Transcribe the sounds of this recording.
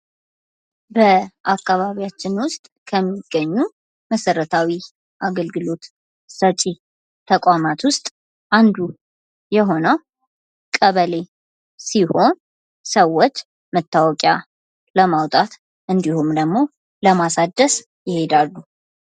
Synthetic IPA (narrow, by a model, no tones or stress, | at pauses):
bəʔakːaβaβijat͡ʃːɪnwʊst̪ʼkʰəmːiɡːəɲːu | məsəɾət̪ʰawi | ʔaɡəlɡɨlo̞t̪ | sət͡ʃʼi | t̪ʰəkʼʷamat̪wʊst̪ʼ | ʔand̪u | jɛɦo̞nəw | kʼəβəle̞ | siho̞n | səwːot͡ʃː | mət̪ʰːawɔkʼja | ləmawt̪ʼat̪ | ʔɨnd̪ihumd̪əɡmo̞ | ləmasad̪əs | jɪhe̞d̪alːu